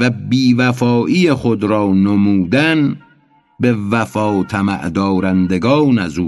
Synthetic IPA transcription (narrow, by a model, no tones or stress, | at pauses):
væbiːvæfɒːʔiːjexod̪ɾɒːnomuːd̪æn | be̞væfɒːt̪ʰæmæ̰ʔd̪ɒːɾænd̪eɡɒːnæzuː